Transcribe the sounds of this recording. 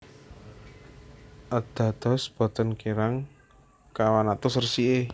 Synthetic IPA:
ʔəd̪̥a̤d̪̥ɔ̤sb̥ɔ̤t̪ənkeɾaŋ | kawanat̪ʊsərsie

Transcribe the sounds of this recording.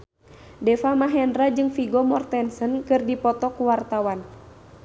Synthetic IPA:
dɛfamaɦɛndɾad͡ʒɨŋfiɡɔmɔrt̪ɛnsənkɨrdipɔt̪ɔkuwart̪awan

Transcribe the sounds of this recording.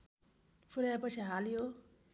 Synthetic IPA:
pʰuɾajapʌt͡sʰiɦalijo

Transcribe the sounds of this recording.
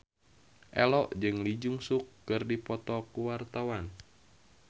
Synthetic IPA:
ʔɛlɔʔd͡ʒɨŋlid͡ʒuŋsukːɨrdipɔt̪ɔkuwart̪awan

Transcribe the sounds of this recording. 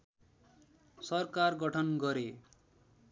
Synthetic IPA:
sʌrkarɡʌʈʰʌnɡʌɾe

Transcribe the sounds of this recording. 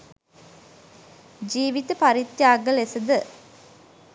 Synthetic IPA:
d͡ʒiːʋit̪əpaɾit̪jaːɡəlesəd̪ə

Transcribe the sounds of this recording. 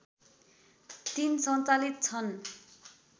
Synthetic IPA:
t̪insʌnt͡salit̪̚t͡sʰʌn

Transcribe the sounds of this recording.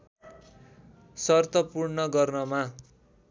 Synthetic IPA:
sʌrt̪ʌpurnʌɡʌrnʌma

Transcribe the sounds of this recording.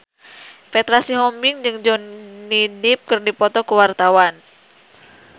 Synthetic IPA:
fɛt̪ɾasiɦɔmbɪŋd͡ʒɨŋd͡ʒɔnːidɪp̚kɨrdipɔt̪ɔkəwart̪awan

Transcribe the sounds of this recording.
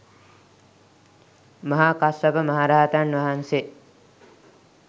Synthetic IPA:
mɐɦaːkasɐbəmɐɦaɾaːat̪anʋɐɦanse

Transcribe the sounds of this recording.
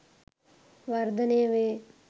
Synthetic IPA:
ʋɐɾd̪əneːʋeː

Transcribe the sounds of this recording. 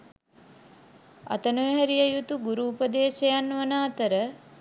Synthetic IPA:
ɐ̰t̪ənojɦæɾijəjut̪uɡuɾuːpəd̪eːʃejanʋənaːt̪əɾə

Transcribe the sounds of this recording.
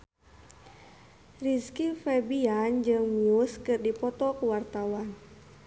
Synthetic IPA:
riskifɛbiand͡ʒɨŋmiuskɨrdipɔt̪ɔkuwart̪awan

